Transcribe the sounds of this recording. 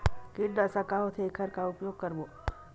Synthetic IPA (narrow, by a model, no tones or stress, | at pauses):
kɪʈɖ̪əsakaɦot̪ʰekʰəɾkaʊpjoːɡ̚kɐɾboː